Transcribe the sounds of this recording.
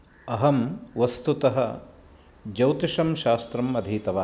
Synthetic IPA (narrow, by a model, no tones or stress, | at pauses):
ɐɦɐmʋɐst̪ut̪ɐɦɐ̰ | d͡ʒɐwt̪iʃɐmʃaːst̪ɾɐmɐd̪ʱiːt̪ɐʋaː